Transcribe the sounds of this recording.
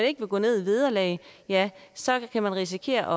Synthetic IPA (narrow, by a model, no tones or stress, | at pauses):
æne̝ɡ̥əʋe̝ɡ̥ɔ̰ːne̝ð̞̰ˠiʋið̞ˠɐlɛ̰ːɪjæsɒ̽kʰæmænʁis̬ikʰe̝̰ːɐʔɒ̽